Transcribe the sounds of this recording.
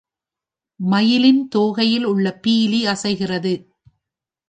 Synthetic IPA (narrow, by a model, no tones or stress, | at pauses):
mɐjɪlɪnt̪oːɣɐjɪlʊɭːɐpiːliɐsɐɪɣɪrɐðɯ